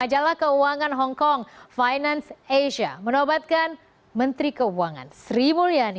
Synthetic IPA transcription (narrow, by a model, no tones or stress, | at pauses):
ad͡ʒalahkəuaŋanɦɔŋkɔŋfajnanseʃa̰mənobat̪̚kan | mənt̪ɾikəuaŋa̰nsɾimuliani